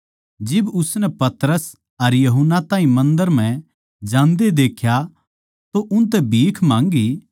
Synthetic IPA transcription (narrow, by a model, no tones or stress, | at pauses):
d͡ʒɪbʊsnɛpɐt̪ɾəs | ɐɾjɐɦʊnːat̪ãːɦĩmɐ̃nd̪əɾm̤ɛ̃ | d͡ʒãːnd̪ed̪eːkʰja | t̪oʔʊnt̪̬ɛbʱiːkʰmãːŋɡi